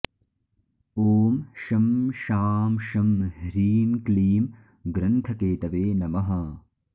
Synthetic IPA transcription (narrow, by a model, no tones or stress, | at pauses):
oːmʃɐmʃaːmʃɐmhɾiːnkliːm | ɡɾɐnt̪ʰɐkeːt̪ɐʋeːnɐmɐɦɐ